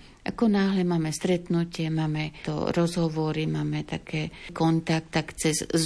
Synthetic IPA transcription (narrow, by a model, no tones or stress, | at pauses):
ʔa̰kɔnaːɦlɛmaːmɛst̪ɾɛt̪nucɪɛmaːmɛt̪ɔ̰ɾɔzɦɔʋɔɾimaːmɛt̪akʰɛːkɔnt̪ak̚t̪akt͡sɛz